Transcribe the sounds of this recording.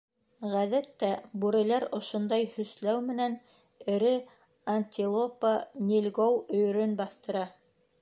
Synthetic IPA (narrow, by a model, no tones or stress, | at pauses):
ʁæðæt̪ːæbuɾɘ̆læɾŏʃŏnd̪ɑjhɵ̆slæwmɘ̆næn | ɘ̆ɾɘ | ɐnʲt̪ʲilˠopanʲilʲɡowɵ̆jɵ̆ɾɵnbɑθt̪ɤ̆ɾɑ